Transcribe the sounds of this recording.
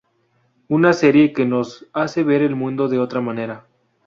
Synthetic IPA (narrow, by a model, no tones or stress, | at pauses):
unase̞ɾje̞keno̞sase̞βe̞ɾe̞lmũnd̪o̞ðe̞o̞t̪ɾamãne̞ɾa